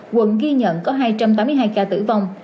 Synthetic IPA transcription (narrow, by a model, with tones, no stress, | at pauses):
kwə̰˧˨nɣi˧ɲə̰˧˨nkɔ˨˦ɦaː˧jt͡ɕa˧mt̪aː˨˦mɨ˧jɦaː˧jkaː˧t̪ɨ̰˧˩va˧wŋ͡m